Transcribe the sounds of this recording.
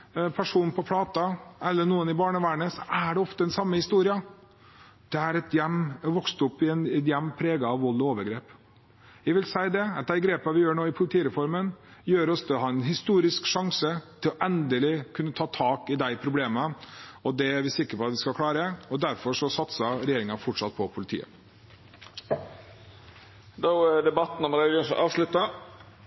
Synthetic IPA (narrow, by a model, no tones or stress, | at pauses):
pʰæʂuːnpʰɔpʰlɑːt̪ɑɛlːəɳuːənɪbɑːɳəʋæːɳəsɔæɖɛɔft̪əɛnsɑmːəhɪst̪uːɾɪɑ | d̪̥ɛæɾɛt̪jɛmːʋɔkst̪ɔpːɪɛnɛnjɛmːpʰɾeːɡɑɑʋɔlːɔoːʋəɾɡɾeːp | jæʋɪlsæɪd̪ɛɑt̪̚d̪æɪɡɾeːpɑʋɪjøːɳoːɪpʰʊlɪt̪ʰiːəɾɛfɔɾmənjøːɾɔfd̪əɛɦɑːɛnɦɪst̪uːɾɪskʂɑŋsət̪ʰɪlɔʔɛnd̪əlɪkʰʉnːət̪ʰɑːt̪ʰɑːkɪd̪æɪpʰɾʊbleːməɔd̪ɛæɾʋɪsɪkːəɾpʰɔɑt̪ʋɪskɑkʰlɑːɾəɔd̪æɾfɔʂɔsɑt̪sɑɾɛjeːɾɪŋɑfɔʈʂɑt̪̚pʰɔpʰʊlɪt̪ʰḭːə̰ | d̪oɛɖ̪ɛbɑt̪n̩ɔmɾɛɪəʂɔ̰ʔɑːʋʂlʉt̪ːɑ